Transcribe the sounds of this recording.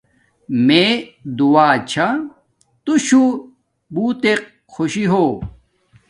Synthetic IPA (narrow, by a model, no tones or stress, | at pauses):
med̪uaːt͡ɕʰa | t̪uɕu | buːt̪eq̚ | xʰoɕiɦoː